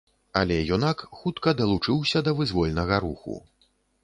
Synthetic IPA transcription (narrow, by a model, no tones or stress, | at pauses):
ɐlʲɛjɔnakxut̪kɐd̪ɐlˠut͡ʂɨwsʲɐd̪ɐvɨzvɔlʲnɐɣɐɾṵxṵ